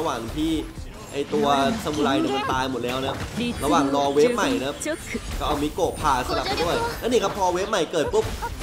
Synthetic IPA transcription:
waː˨˩ŋt̪ʰiː˥˩ | ʔa˧˩jt̪u˧ɐsʰa˧muː˧laː˧jni˨˥˩ma˧nt̪aː˧jmo˨˩t̪̚lɛː˦˥wna˦˥p̚ɾa˧waː˨˩ŋlɔː˧weː˦˥p̚ma˨˩jna˦˥pkɔː˥˩ʔa˧wmiː˧koː˨˩pʰaː˨˩sa˧la˨˩p̚pa˧jdu˥˩əjlaː˦˥niː˥˩kʰa˦˥pʰːɔː˧we˦˥p̚ma˨˩jkɤː˨˩t̪̚pu˦˥p̚

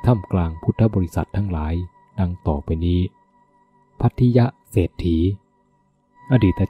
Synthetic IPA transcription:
t̪ʰa˥˩mklaː˧ŋpʰu˦˥t̪ʰːa˦˥bɔː˧ɾi˦˥sa̰˨˩t̪ʰːa˦˥ŋlaː˩˦j | da˧ŋt̪ɔː˨˩pa˧jniː˦˥˩ | pʰa˦˥t̪ʰːi˦˥ja˦˥ʔseː˨˩t̪ʰːiː˩˦ | ʔaː˧diː˨˩t̪ːʔa˧

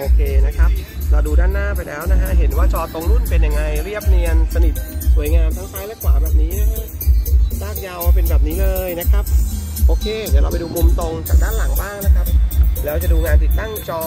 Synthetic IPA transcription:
ʔoː˧kʰeː˧na˦˥kʰa˦˥p̚ɾa˧wduː˧daː˥˩nːaː˥˩pa˧jlɛː˦˥wna˦˥kʰa˦˥ɦe˩˦nwaː˥˩t͡ɕɔː˧t̪o˧ŋlu˥˩npe˧nja˧ŋːa˧jɾi˥˩əp̚ni˧ənsa˧ni˨˩t̪̚su˩˦jŋaː˧mt̪ʰa˦˥ŋkʰaː˦˥jlɛː˦˥˩kwaː˨˩bɛː˨˩p̚niː˦˥na˦˥kʰa˦˥ | saː˥˩k̚ja˧wpe˧nbɛː˨˩p̚niː˦˥lɤː˧jna˦˥kʰa˦˥p̚ʔoː˧kʰeː˧nɯ˨˩˦ɾa˧wpa˧jduː˧mu˧mt̪o˧ŋt͡ɕaː˨˩k̚daː˥˩nla˩˦ŋbaː˥˩ŋna˦˥kʰa˦˥p̚lɛː˦˥wt͡ɕa˨˩ʔduː˧ŋaː˧nt̪i˨˩t̪ːa˥˩ŋt͡ɕɔː˧

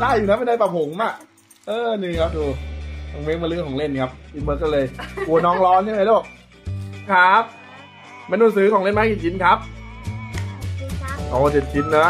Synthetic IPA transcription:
daː˥˩jːuː˨na˦˥pe˧ndaː˧˩pa˨˩pʰo˨˩˦ŋma˧˩k | ʔɤː˧niː˧˩kʰa˦˥p̚duː˧a˧˩ŋme˦˥maː˧lɯ˦˥˩kʰɔː˩˦ŋle˥˩nkʰa˦˥p̚ʔiː˧˥mɤː˦˥kːɔ˥˩lɤː˧jku˧˩nɔː˦˥ŋlɔː˦˥nsʰa˥˩˨a˧˦lo˥˩k̚ | kʰa˦˥p̚ | ma˧nu˧˩˨ns̬ɯː˨˦˥kʰɔː˩˦ŋle˥˩nmaː˧˦˥kiː˨˩t͡ɕʰi˧nkʰa˦˥p̚ | ʔɔː˨˩a˧nt͡ɕe˨˩t̪̚t͡ɕʰi˧˦nːɔ˦˥

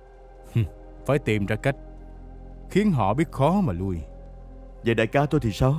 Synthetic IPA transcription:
h̩˨˩ | faː˧˩jt̪i˨˩mzaː˧ka˦˥jk̟̚ | xi˨˦ənɦɔ̰˧˨ɓi˦˥ət̚xɔ˨˦maː˨˩lu˧əj | zə̰˨˩ɗaː˧˨jkaː˨˦t̪o˧jt̪ʰi˨˩saː˧w

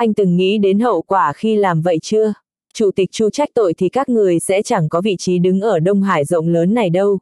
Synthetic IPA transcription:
ʔa˧jŋ̟t̪ɨ˨˩ŋːḭ˧˥ɗe˨˦nɦə̰˧˨wkwaː˧˩xi˧laː˨˩mvə̰˧˨jt͡ɕɨ˧ə | t͡ɕu˧˩t̪ï˨˩k̚t͡ɕu˧t͡ɕa˦˥k̟̚t̪o̰˧˨jt̪ʰi˨˩kaː˦˥k̚ŋɨ˨˩əjsɛ̰˧˥t͡ɕa˧˩ŋkɔ˨˦vḭ˧˨t͡ɕi˨˦ɗɨ˨˦ŋʔəː˧˩ɗə˧wŋ͡mɦaː˧˩jzə̰˧˨wŋ͡mləː˨˦nːa˨˩jɗə˧w

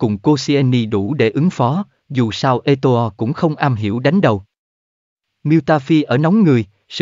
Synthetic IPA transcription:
kʊ˨˩ŋ͡mko˧si˧ɛ˧ni˧ɗu˧˩ɗe˧˩ʔɨ˨˦ŋfɔ˨˦ | zu˨˩saː˧wʔe˧t̪o˧ɔ˧kʊ̰˧˥ŋ͡mxə˧wŋ͡mʔaː˧mɦḭ˧˩əwɗa˨˦jŋ̟ɗə˨˩w | mi˧wt̪aː˧fi˧ʔəː˧˩nɔ˨˦wŋ͡mŋɨ˨˩əj | s

